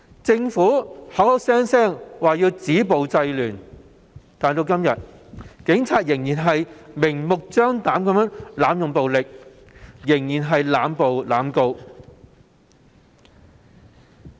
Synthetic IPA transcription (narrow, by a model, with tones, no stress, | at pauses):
t͡sɪ˧ŋfuː˨˥hɐ˨˥whɐ˨˥wsɛː˥ŋsɛː˥˩ŋwaː˨jiː˧wt͡siː˨˥po˨wt͡sɐ˧jlyː˨˩n | t̪aː˨nt̪o˧wkɐ˥mjɐ˨t̚kɪ˨˥ŋt͡sʰaː˨t̚jɪ˨˩ŋjiː˨˩nɦɐ˨jmɪ˨˩ŋmʊ˨k̚t͡ʃœː˥ŋt̪aː˨˥mkɐ˨˦mjœː˥ŋlaː˨˥mjʊ˨ŋpo˨wlɪ˨k̚ | jɪ˨˩ŋjiː˨˩nɦɐ˨jlaː˨˧mpo˨wlaː˨˥mko˧w